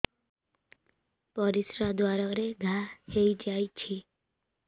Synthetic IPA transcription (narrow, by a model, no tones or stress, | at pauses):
pəɾisɾad̪ʋaɾaɾeɡʱaheid͡ʒajt͡ʃʰi